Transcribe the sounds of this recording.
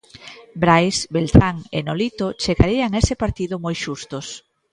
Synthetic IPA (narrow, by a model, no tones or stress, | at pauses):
bɾajsbelt̪ɾaŋḛnolit̪ot͡ʃeɣa̰ɾiaŋesɪpaɾt̪iðʊmojʃust̪ʊs